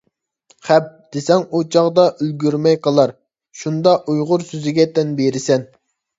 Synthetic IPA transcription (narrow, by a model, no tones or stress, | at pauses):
χɛp̚d̪̥esɛŋut͡ʃʰɑʁd̪ɑʔølɡʲyɾmɛjqəlˠɑɾ | ʃund̪ɑʔujʁʊɾsøzɪɡʲɛt̪ʰɛnbeɾɪsɛn